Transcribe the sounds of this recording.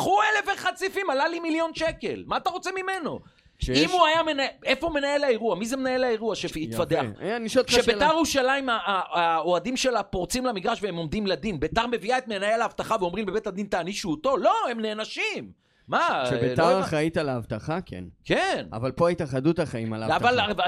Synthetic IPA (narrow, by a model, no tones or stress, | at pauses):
χuelefeχat͡sifimalalimiljo̞nʃeke̞̰lmaːt̪aʁo̞t͡semime̞no̞̰ | ʃimuajamenaeefoume̞naje̞laeʁuamizemenajelaeʁuaʃefit̪fadeaχa̰janiʃot̪ʃebet̪aʁuʃalaimaaaoadimʃelapo̞ʁt͡simlamiɡʁaʃveemo̞md̪imled̪inbet̪aʁme̞viaet̪̚menajelaavt̪aχaveo̞mʁimbebetad̪int̪aːniʃuuːt̪o̞lo̞emneːnaʃimː | aʃebelaʁaχait̪alaːvt̪aχakʰḛnkena̰valpoait̪aχad̪ut̪aχaima̰laaval